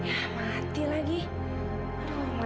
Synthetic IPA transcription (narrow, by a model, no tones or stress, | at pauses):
jama | t̪ilaɡi | oma